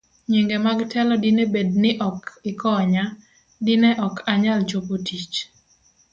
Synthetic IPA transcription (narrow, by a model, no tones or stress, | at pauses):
ɲeŋɡemaɡtʰɛlɔdinebed̚nɪʔɔkɪkɔɲa | dɪnɛʔɔkʰaɲald͡ʒobotit͡ʃ